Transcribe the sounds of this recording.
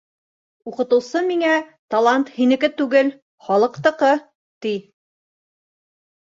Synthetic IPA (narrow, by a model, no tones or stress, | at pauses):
uqɤ̆t̪ɤ̆wsɤmiŋæt̪ɐlˠant̪hinɘ̆kɘt̪ʉɡɘl | χɒlˠɤ̆qt̪ɤ̆qɤ | t̪i